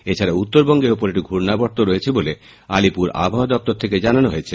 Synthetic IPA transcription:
et͡ɕʰaɾaut̪ːoɾbɔŋɡeɾopoɾeʈiɡʱuɾnabɔɾt̪oɾojet͡ɕʰibole | alipuɾa̰bʱaɦod̪ɔp̚t̪oɾt̪ʰeked͡ʑananoɦojet͡ɕʰe

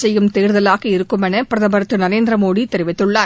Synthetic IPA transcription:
sɛjːɯmt̪eːɾɯðɐlaːɣɐɪɾɯkːɯmɛnɐpɪɾɐðɐbɐɾɐt̪ːɯnɐɾeːnd̪ɾɐmoːɽit̪ːɛɾɪʋɪt̪ːɯɭːaː

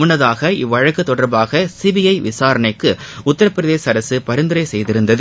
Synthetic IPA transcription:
ʊnːɐðaːɣɐɪʋːɐɻɐkːɯt̪ːɔɽɐɾbaːɣɐsibɪjɐɪʋɪsaːɾɐɳɐɪkːɯʊt̪ːɐɾɐpːɪɾɐðeːsɐɾɐsɯpɐɾɯnd̪ɯɾɐɪsɛjðɪɾɯnd̪ɐðɯ

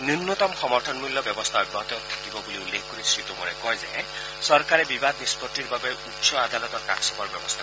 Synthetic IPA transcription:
nunːɔt̪ɔmxɔmɔɾtʰɔnmulːɔbjɔbɔst̪ʰaɔjbɔɦɔt̪ɔt̪ʰːḁkibɔbuliulːekʰkoɾisɹit̪umɔɾekɔjza̰ | sɔɾkaɾebibad̪ispɔɾʈiɾbabeutsɔad̪alɔt̪ɔɾka̰ksɔbɔɾbjɔbɔst̪ʰa

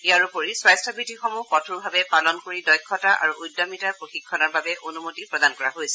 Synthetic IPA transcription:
ijaɹupoɹiswajstabitixɔmuhkɔtʰuɹbʱabɛpalɔnkoɹidɔjkʰːɔtaʔa̰ɹuʔujdɔmitaɹpɹoxikʰːɔnɔɹbabɛʔonumotipɹɔdankɔɹaɦojsɛ

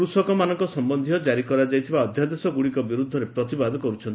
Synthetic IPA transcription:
ɾusɔkɔmanɔŋkɔsɔmbɔnd̪ʱiɔd͡ʒaɾikɔɾad͡ʒajt̪ʰibaɔd̪ʱjad̪esɔɡuɽikɔbiɾud̪ʱːɔɾepɾɔt̪ibad̪ɔkɔɾut͡ʃʰɔni

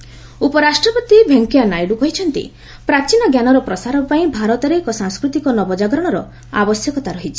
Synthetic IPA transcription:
upɔɾasʈɾɔpɔt̪ibʱeŋkijanajɽukɔɦit͡ʃʰɔnt̪ḭ | pɾat͡ʃinɔɡjanɔɾɔpɾɔsaɾɔpaĩbʱaɾɔt̪ɔɾeːkɔsãŋskɾut̪ikɔnɔbɔd͡ʒaɡɾɔɽ̃ɔɾɔ | a̰bɔsjɔkɔt̪aɾɔɦit͡ʃʰi

